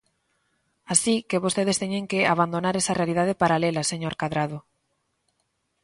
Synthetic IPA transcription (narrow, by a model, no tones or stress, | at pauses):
asikeβost̪eð̞est̪eɲẽŋkeaβand̪onaɾesarealið̞að̞epaɾalelaseɲoɾkaðɾaðo